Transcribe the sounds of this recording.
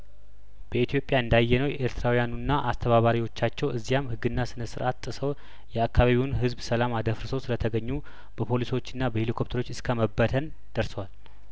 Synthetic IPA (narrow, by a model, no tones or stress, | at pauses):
b̥əit̪ʰjo̞pʼjaɨnd̪ajːɛnəwjʔeɾt̪ʰɨɾawijanunːaʔast̪ʰəβaβaɾiwo̞t͡ʃːat͡ʃːɛwɨzːijamhɨɡːɨnːasɨnəsɨɾʔat̪t̪ʼːɨsəw | jɛakʰːaβaβiwnɦɨzbsəlamad̪əfɾsəwsɨlət̪ʰəɡəɲːu | b̥əpʰo̞liso̞t͡ʃːɨnːabəhelikʰo̞p̚t̪ʰəɾo̞t͡ʃːɨskʰəməbːət̪ʰən | d̪̥əɾsəwal